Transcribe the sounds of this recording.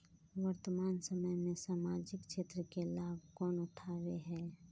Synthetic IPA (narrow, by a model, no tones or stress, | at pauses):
wəɾt̪əmaːnsəməjmẽsaːmaːd͡ʒɪkt͡ʃʰeːt̪ɾəkelaːbʱkɔːnʊʈʰaːweɦɛː